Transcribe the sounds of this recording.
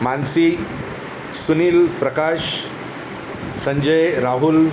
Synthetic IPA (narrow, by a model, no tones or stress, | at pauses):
mansi | suniːlpɾəkaɕ | səɲd͡ʑəjɾaɦul